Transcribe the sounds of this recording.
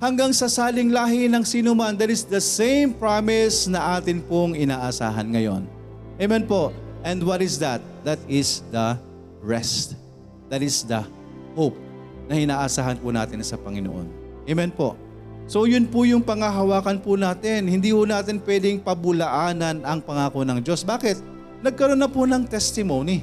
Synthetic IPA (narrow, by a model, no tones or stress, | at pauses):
hɐŋɡaŋsɐsaːlɪŋlaːɦɪnɐŋsiːnʊmand̪ɐt̪ɪsd̪ɐsẽjmpɹamɪsnɐʔaːt̪ɪnpoŋɪnaːʔɐsa̰ːɦɐnŋɐjo̞̰n | ʔɛmɛnpo̞ʔʔɛ̃nd̪wɐt̪ɪsd̪ɐt̪̚d̪ɐt̪ɪsd̪ɐ | ɹɛst̪̚ | d̪̥ɐt̪ɪsd̪ɐ | hop̚ | nɐʔɪnaːʔɐsaːhɐnpʊna̰ːt̪ɪnsɐpɐŋɪnoʔo̰n | ʔemɛnpo̞̰ | so̞jʊnpʊjʊŋpɐŋɐɦɐwaːkɐnpʊnaːt̪ɪnhɪnd̪iːhʊnaːt̪ɪnpwɛd̪ɪŋpɐbʊlɐʔaːnɐnɐŋpɐŋaːkonɐŋd͡ʒo̞sbaːkɪt̪̚ | nɐɡ̚kɐɾo̞nːɐpʊnɐŋt̪ɛst̪ɪmoni